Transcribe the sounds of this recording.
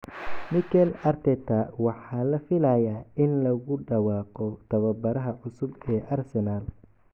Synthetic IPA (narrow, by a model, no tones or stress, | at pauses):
mɪkʰɛlɐrt̪ʰɛt̪ʰɐwɑħɑːlɐfɪlaːjaːɪnlɐɣʊɖɑwɑːqɔt̪ʰɐβɐbɐɾɐɦɐʕʊsʊbɛːʔɐrsɛnaːl